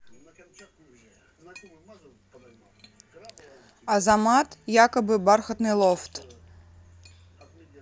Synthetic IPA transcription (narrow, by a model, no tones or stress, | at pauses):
ɐzamat̪jakɐbɨbarxɐt̪nɨlˠɔft̪